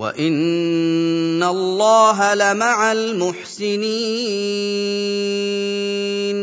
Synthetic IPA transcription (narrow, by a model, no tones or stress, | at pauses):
wa̰ʔɪn | alːɑːɦalamaʕalmʊħsɪniː | n